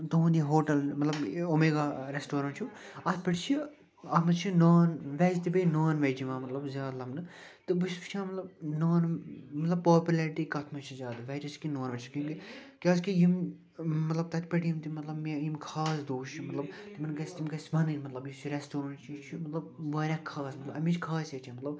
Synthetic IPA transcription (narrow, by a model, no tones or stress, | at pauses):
t̪oːnd̪iɦoːʈɐlmɐt̪lɐbomeːɡaːɾesʈoːɾɐnʈt͡ʃʰuɐt̪̚ʰʲpʲɐʈt͡ʃʰi | ɐt̪ʰmɐt͡ʃʰinoːnʋɛːzt̪ibenoːnʋɛːd͡ʒimãːmɐt̪lɐbzʲjaːd̪lɐmnɨt̪ɨbɨspt͡ʃʰãːmɐt̪lɐbnoːnmɐt̪lɐbpːaːpʲjulɐɾiʈ̪iːkɐt̪ʰmɐt͡ʃʰizʲjaːd̪ɨʋɛːd͡ʒɐt͡ʃʰkinoːnʋɐt͡ʃʰi̥kʲũːkikʲaːzkijimː | ɐt̪lɐb̚t̪ɐt̪ʰʲpʲɐʈʰjimt̪imɐt̪lɐbmjimkʰaːsd̪oːʃt͡ʃʰimɐt̪lɐbt̪imɨnɡɐsʲt̪imɡɐsʋɐnɨnʲmɐt̪lɐbjit͡ʃʰiɾɛsʈoːɾɐːnt͡ʃʰit͡ʃʰimɐt̪lɐb̚ʋaːɾʲjãːkʰaːsmɐt̪lɐbɐmʲit͡ʃʰkʰaːset͡ʃʰãmɐt̪lɐb̚